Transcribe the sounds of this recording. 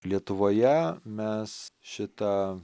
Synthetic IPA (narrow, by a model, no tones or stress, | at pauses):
lʲiɛt̪ʊʋoːjɛmʲɛsʃʲɪt̪ɑ